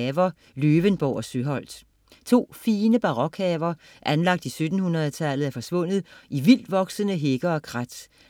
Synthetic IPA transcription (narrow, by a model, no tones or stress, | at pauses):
ɛʋɐ | løːʋənb̥ɒʊɒ̽søɦɒ̽l̰d̥ | t͡sʰo̝̰ːfiːnəb̥ɑ̈ʁɒ̽ɡ̥hɛːʋɐ | ʔænlɑ̈ɡ̥̚d̥isød̥n̩hunʁɐð̩ˠt͡sʰælð̩ˠæɐfɒ̽sʋɔ̽n̰ð̩ˠʔiʋil̰d̥ʋɒ̽ɡ̥sənəɦe̝ɡ̥ɐɒ̽kʰʁad̥